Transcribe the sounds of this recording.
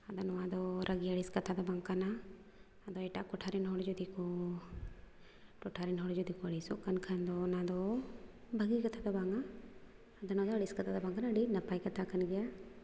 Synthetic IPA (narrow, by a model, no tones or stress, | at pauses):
ɐd̪anɔwad̪ɔɾʔɐɡiəɽiskɐt̪ʰad̪ɔbaŋkanaː | d̪ɔɛʈaʔkɔʈʰaɾinɦɔɽd͡ʒud̪ikɔ | ʈɔʈʰaɾinɦɔɽd͡ʒud̪ikɔɐɽisɔʔkankʰand̪ɔnad̪ɔ | bəɡikɐt̪ʰad̪ɔbaŋaː | d̪ɔnɔad̪ɔɐɽiskɐt̪ʰad̪ɔbaŋkanɐɽinɐpajkɐt̪ʰakanɡɛja